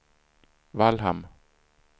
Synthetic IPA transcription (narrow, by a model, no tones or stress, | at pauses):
valɦa̰m